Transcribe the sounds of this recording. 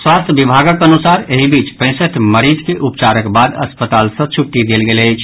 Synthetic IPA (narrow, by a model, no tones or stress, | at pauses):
swast̪ʰəbibʱaɡəkənusaɾeɦibit͡ʃpɛ̃ɪ̃səʈʰməɾid͡ʒkeʔupt͡ʃaɾəkbad̪əspət̪alsə̃t͡ʃʰuʈːid̪elɡelət͡ʃʰ